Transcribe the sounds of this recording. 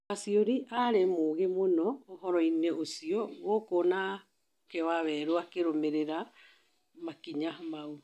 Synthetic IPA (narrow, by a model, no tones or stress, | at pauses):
asioɾiʔaɾemoɣemonɔːɦɔɾɔineʔosiɔɣokona | kewaβɛɾoakeɾomeɾeɾa | makiɲamau